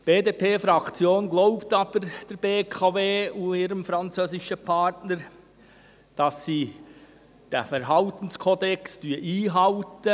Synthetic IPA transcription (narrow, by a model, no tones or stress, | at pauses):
b̥eːdeːpʰeːfɾɑkt͡sjoːnɡloʊptɑːb̥əɾd̥ɛɾb̥eːkʰɑveːʊiːɾəmfɾɑnt͡søːzɪʃəpʰɑtnəɾ | d̥ɑsːiː | d̥ɛ̰fɛɾɦɑltən̩skʰɔdɛksd̥yːʔiːɦɑltə